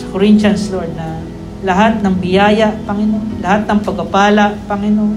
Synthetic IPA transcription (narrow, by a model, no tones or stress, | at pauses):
sɐ̥koɾɪnt͡ʃansloɹd̪̚nɐ | lɐɦat̪̚nɐŋbɪjaːjaʔpɐŋɪnonlɐhat̪̚nɐŋpɐɡ̚apaːlaʔpɐŋɪnon